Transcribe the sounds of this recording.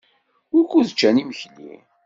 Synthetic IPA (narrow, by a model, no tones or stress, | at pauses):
ʊɾkːuðt͡ʃːæniməçlḭ